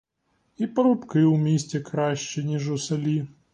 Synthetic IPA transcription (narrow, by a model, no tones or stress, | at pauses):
ipɐɾʊpkɪwmʲisʲt͡sʲɛkɾaɕt͡ʃɛnʲiʐusɐlʲi